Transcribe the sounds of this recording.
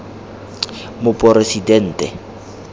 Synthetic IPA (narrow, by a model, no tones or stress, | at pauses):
mʊpʼɔresidɛn̩ːtɛ